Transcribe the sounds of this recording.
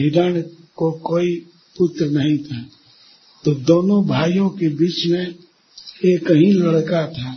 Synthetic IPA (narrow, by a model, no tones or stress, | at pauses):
ɪɾəːnkokoːi | pʊt̪ɾənɐɦĩt̪ʰa | t̪oːd̪oːnõbʱaːjõkebiːt͡ʃmẽ | eːkəɦĩlɐɽkat̪ʰaː